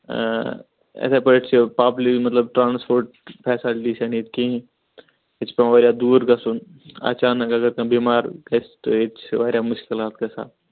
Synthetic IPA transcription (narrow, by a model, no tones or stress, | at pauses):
ɛ̰sepɐeʈt͡ʃʰpaːplimɐt̪ləbʈɾaːnspoːɾʈ̚ | pʰɛːsaːlisanet̪̚kĩĩ | et͡ʃʰpeʋaːɾjad̪uːɾkasun | a̰ːt͡ʃaːnəkɐɡəɾ̚kãbiːmaːɾkɐst̪o̰et͡ʃʰʋaːɾjamʊʃkɪlɦaːt̪kɐsa̰ːt̪